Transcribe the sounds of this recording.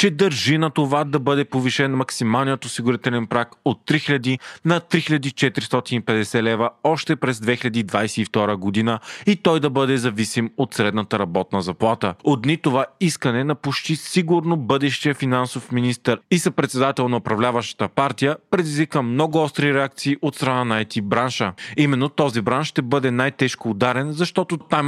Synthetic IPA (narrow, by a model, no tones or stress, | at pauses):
t͡ʃɛd̪əɾʒinɐt̪ovad̪ɐbɤd̪ɛpoviʃɛnmɐksimalˠnijət̪osiɡʊɾit̪ɛlɛnpɾakot̪ːɾixilʲɐd̪inɐt̪ɾixilʎɐd̪it͡ʃɛt̪ɾist̪ɔt̪inipɛd̪ɛsɛlɛvəɔʃt̪ɛpɾɛzd̪vɛxiʎʲɐd̪iːd̪vajsɛift̪ɔɾəɡod̪inəit̪ɔjd̪ɐbɤd̪ɛzɐvisimot̪sɾɛd̪nət̪əɾɐbɔt̪nəzɐplˠat̪əot̪nit̪ovaiskənɛnɐpot͡ʃt̪isiɡuɾnobɤd̪ɛʃt̪ijəfinansofminist̪əɾisɐpɾɛt̪sɛd̪at̪ɛlˠnɐʊpɾɐvlʲavɐʃt̪ə̥t̪əpaɾt̪ijəpɾɛd̪izvikəmnɔɡʊɔst̪ɾiɾɛakt̪siːʔot̪st̪ɾɐnanajt̪ibɾanʃəimɛnːot̪ɔzibɾanʃʃt̪ɛbɤd̪ɛnajt̪ɛʃkoːd̪aɾɛnzɐʃt̪ɔt̪ot̪am